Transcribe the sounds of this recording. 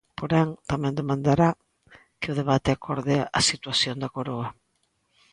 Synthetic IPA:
poɾɛŋt̪amɛ̃nd̪emãnd̪aɾa | kɪʊð̞eβat̪ɪakʰoɾðeaʔasit̪waθjond̪akoɾoɐ

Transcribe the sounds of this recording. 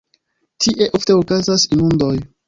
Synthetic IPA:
tʰiʔe̞ʔo̞fte̞okazasinundo̞j

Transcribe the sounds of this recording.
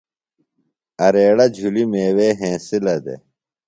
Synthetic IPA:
ɐɾeːɽɐd͡ʑʱulimeːweːɦẽːsilɐd̪ḛ

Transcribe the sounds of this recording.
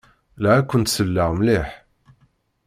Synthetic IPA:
læækʷːənt̪səlːaʁmlɪħ

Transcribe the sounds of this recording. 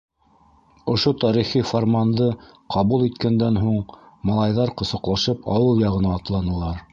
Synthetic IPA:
ŏʃot̪ɑɾiχiformand̪ɤ | qʰɑβulˠit̪kænd̪ænɦuɴmɑlˠɑjðɑɾqŏsɤ̆qlˠɑʃɤpʰɑ̰wɤlˠjɑʁɤ̆nɑːt̪lˠɑnɤ̆lˠɑɾ

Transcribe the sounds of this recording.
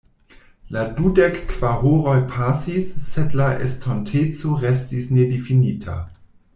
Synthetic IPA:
ladudekːv̥aʁoɾojpʰasisːedlaʔḛstʰontʰet͡soɾestisnedefinitʰa̰

